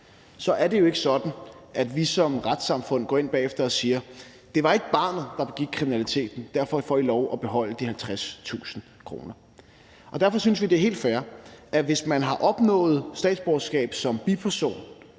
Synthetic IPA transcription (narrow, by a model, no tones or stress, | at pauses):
sɒ̽ʔæɐde̝jo̝e̝ɡ̥əsɒ̽d̥n̩ʔæd̥ʋisɒ̽mʁad̥sɑ̈mfɔ̽n̰ɡ̥ɒ̰ːe̝n̰b̥ɛ̰ːefd̥ɐɒ̽siːɐ | d̥e̝ʋɑ̈e̝ɡ̥əb̥ɑ̰̈ːnð̩ˠd̥ɑ̈b̥eɡ̥iɡ̥̚kʰʁiminælit͡sʰe̝̰ːd̥n̩d̥æɐfɒ̽fɒilɒʊʔɒ̽b̥e̝ɦɒ̽l̰əd̥iɦælt͡sʰʁast͡sʰṵːsn̩ | kʰʁo̝̰ːnɐ | ʔɒ̽d̥æɐ̰fɒ̽synsʋid̥e̝ɦe̝̰ːld̥fæɐʔæʋe̝smænɦɑ̈ʔɒ̽b̥nɔ̰̽ːð̩ˠsd̥ɛ̰ːd̥sb̥ɒsɡ̥ɛ̰ːb̥sɒ̽mb̥ipʰæɐso̝̰ːn